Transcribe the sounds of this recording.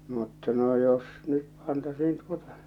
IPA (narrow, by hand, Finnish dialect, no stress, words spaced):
mutːɑ no jos nyt pɑntɑsiːn tuotɑ̥